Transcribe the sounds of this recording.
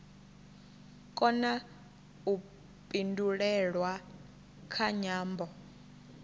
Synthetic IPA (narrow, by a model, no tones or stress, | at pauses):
kʼɔna | u | pʼindʱulɛɺwa | kʰaɲaːmbʱɔ